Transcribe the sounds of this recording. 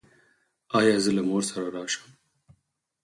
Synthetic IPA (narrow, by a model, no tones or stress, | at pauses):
ɑːjɑːzəlamoːɾsaɾaɾɑːʃə̥m